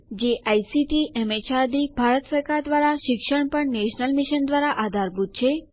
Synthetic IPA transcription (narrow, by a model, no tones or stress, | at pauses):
d͡ʒeʔajsiʈiʔɛmet͡ʃaɾd̪ibʱaɾət̪səɾkaɾd̪ʋaɾaʃɪkʃəɳpəɳneʃnəlmiʃənd̪ʋaɾaʔad̪ʱaɾbʱut̪̚t͡ʃʰe